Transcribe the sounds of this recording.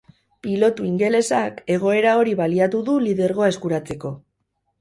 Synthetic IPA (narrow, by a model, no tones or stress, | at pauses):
pilo̞t̪uiŋɡe̞le̞sake̞ɣ̞o̞e̞ɾao̞ɾiβaliat̪uðuliðe̞ɾɣo̞ae̞skuɾat͡se̞ko̞